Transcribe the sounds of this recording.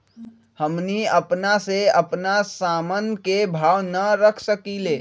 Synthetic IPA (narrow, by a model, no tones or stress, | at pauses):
həmniəpnaseəpnasamənkebʱawnəɾəkʰsəkile